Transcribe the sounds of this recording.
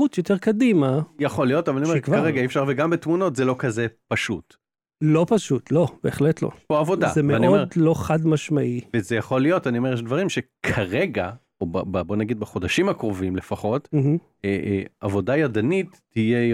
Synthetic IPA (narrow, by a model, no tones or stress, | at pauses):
utjot̪eʁkadimajaχo̞lijo̞tavalanioekvkaʁeɡaiefʃaʁveɡambetmuno̞tzelo̞kazepaʃut | lo̞paʃutlo̞b̥eːχletlo̰poavo̞da̰zemeaniolo̞χadmaʃmaʔivezejaχo̞lijo̞tanio̞mejɛʃdvaʁimʃekʰaʁeɡa | obababo̞naɡid̪̚baχo̞daʃimhakʁovimlefaχo̞tm̩h̩ | eavo̞dajadanitːije